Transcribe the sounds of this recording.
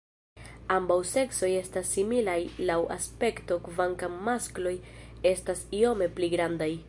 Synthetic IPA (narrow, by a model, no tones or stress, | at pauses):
ambawse̞kso̞je̞stasimilajlawa̰spe̞kto̞kvaŋkammasklo̞je̞stasio̞me̞pliɡɾandaj